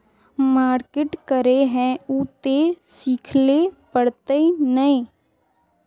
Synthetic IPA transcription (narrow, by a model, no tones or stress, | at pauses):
maːɾkeʈkəɾeɦɛ̃ut̪esiːkʰlepəɽt̪enəĩː